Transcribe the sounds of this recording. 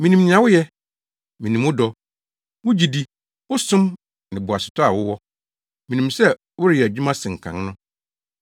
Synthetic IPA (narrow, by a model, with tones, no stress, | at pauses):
mĩ˨nĩ˨nɪ̃˨ã˨wʊ˦jɛ˦ | mĩ˨nĩ˨mʊ˦dɔ˨ | wʊ̃˦d͡ʑi˨di˦ | wʊ˦sʊ̃˦m | nɪ̃˨bʊ˨a˨sʊ̥˨tʰɔ˦a˨wʊ˦wɔ˦ | mĩ˨nĩ˨msɛ˦ | wʊ˦ɾɪ˨ɛ˨æ˨d͡ʑᶣu˦mã˦sɪ̃˨ŋ̩˨kʰã̰˨nnʊ̃˦